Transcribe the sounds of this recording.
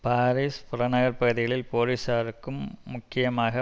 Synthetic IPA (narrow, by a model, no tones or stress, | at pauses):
paːɾiːspʊɾɐnɐɣɐɾpɐɣɯðɪɣɐɭɪlpoːɾisaːɾɯkːɯmːʊkːɪjɐmaːɣɐ